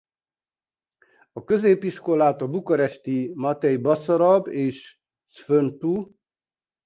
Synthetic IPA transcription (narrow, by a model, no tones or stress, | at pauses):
ɒkøzeːpiʃko̞laːt̪ɒbukɒɾɛʃt̪imɒt̪ɛjbɒsɔɾɒbeːʃ | sfønt̪u